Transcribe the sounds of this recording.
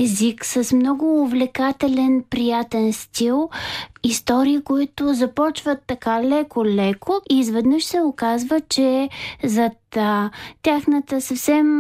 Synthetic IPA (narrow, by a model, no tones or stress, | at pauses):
ɛziksəsmnɔɡʊːvlɛkat̪ɛlɛnpɾijat̪ɛnst̪ilˠist̪ɔɾiːkoit̪ʊzɐpɔt͡ʃvət̪ːɐkalɛkʊlɛkʰʊizvɛd̪nəʃsɛokazvət͡ʃɛzɐt̪ətʲːaxnət̪əsɐfsɛm